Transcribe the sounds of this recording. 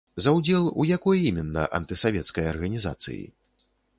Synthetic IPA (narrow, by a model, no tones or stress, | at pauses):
zɐwd͡zʲɛlˠṵjakɔjimʲɛnːɐ̰ʔɐ̰nt̪ɨsavʲɛt̪skɐjɐrɣɐnʲiza̰t̪sɨ̰jḭ